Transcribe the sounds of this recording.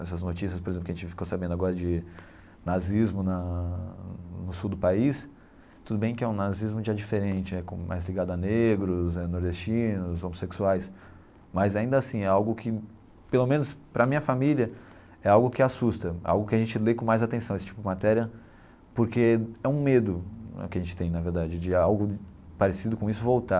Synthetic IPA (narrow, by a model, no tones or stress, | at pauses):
ɛsɐznot͡ʃisiɐspoɾezẽplkaʒẽt͡ʃɪfi̥kosabẽnd̪aɡɔɾɐd͡ʒɪ | nazizmʊnɐ | nʊsuwd̪ʊpais | t̪ud̪ʊbẽj̃kɪɛũnazizmʊʒad͡ʒifeɾẽnt͡ʃɪɛkõmʔa̰jzliɡad̪ʊaneɡɾʊzɛnoɾd̪est͡ʃĩnʊzomoseksuajs | mɐzaĩnd̪ɐasĩɛawɡʊkʰɪ | pelomẽnʊspɾɐamĩɲɐfamiliɐ | ɛawɡʊkɪasust̪ɐa̰wɡʊkɪaʒẽnt͡ʃɪlekõmajzat̪ẽsɐ̃esɪ̥t͡ʃipʊd͡ʒɪmat̪ɛɾiɐ | poɾkeɛũmed̪ʊɛ̰kɪaʒẽnt͡ʃɪ̥t̪ẽj̃naveɾd̪ad͡ʒɪd͡ʒɪawɡʊpaɾesid̪ʊkõisʊvowt̪a